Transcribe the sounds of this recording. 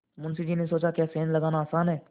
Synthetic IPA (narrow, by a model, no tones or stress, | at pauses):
mʊnsid͡ʒiːnesoːt͡ʃakjaːseːnlɐɡaːnaːsaːnɦɛː